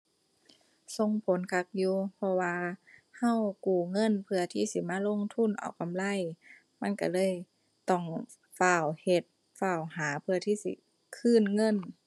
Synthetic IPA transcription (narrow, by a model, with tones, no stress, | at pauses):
so˧ŋpʰo˨˦nkʰa˧˥k̚juː˧˦pʰɔ˧waː˧ha˧˥˨wkuː˨˩ŋɤ˧˥˨npʰɯ˧ɐt̪ʰiː˧˩˨si˧˦maː˧˥˨lo˧˨ŋt̪ʰu˧˥˨nʔa̰˨˩wka˧˨mla˧˥˨j | ma˧˥˨nka˧˩lɤː˧˥˨j | t̪ɔ˧˩ŋ | faː˧˩whe˧˦t̪̚ | faː˧˩whaː˨˦pʰɯ˧ɐt̪ʰiː˧˥˨sḭ˧˦ | kʰɯː˧˥˨nŋɤ˧˥˨n